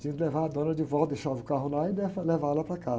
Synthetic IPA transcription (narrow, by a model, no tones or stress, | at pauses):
t͡ʃĩk̪levaɐd̪õnɐd͡ʒɪvɔd̪eʃavʊkaɦʊlaɪd̪ɛvɐlevalɐpɾɐka